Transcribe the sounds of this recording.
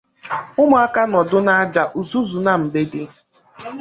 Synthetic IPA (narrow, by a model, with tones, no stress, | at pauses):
ʊ˦mʊ˨˦a˦ka˦nɔ˨dʊ˦na˦a˦d͡ʒa˨ʔu˨zu˦zu˨na˨m̩˨ɡ͡be˦dɪ˦